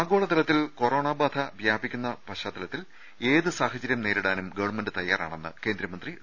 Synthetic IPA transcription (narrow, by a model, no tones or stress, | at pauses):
aːɡo̞ːɭɐt̪ɐlɐt̪ːilko̞ro̞ːɳaːbaːd̪ʰʱɐʋjaːbʱikʲːunːɐpɐʂaːt̪ːɐlɐt̪ːil | eːðɨsaːhɐt͡ɕːɐɾjɐmne̞ːɾuɽaːnumɡɐʋɐɳmenɖɨt̪ɐjːa̰ːra̰ːɳenːɨ̰ke̞ːnd̪ɾɐmɐnd̪ri